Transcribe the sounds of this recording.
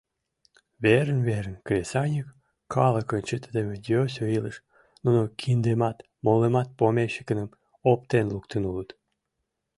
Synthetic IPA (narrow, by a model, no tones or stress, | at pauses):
βeɾənβeɾənkɾʲesɑnʲək | kɑlə̆kə̆nt͡ɕət̪əd̪emed̪ʲosʲoiləʃ | nunokʰind̪emɑt̪ | molemɑt̪̚pomeʃə̥kənəm | opt̪enlukt̪ənulət̪